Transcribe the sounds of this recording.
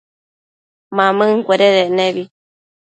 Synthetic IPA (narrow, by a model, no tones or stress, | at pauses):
mãmɨ̃ŋkʷeɾeðeʔnẽβi